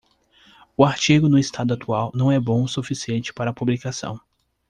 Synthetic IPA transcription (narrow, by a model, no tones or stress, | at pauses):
ʊaɾt͡ʃiɡʊnʊɪst̪ad̪ʊat̪uawnɐ̃w̃ɛbõw̃sufisiẽnt͡ʃɪ̥paɾɐːpublikasɐ̰̃w̃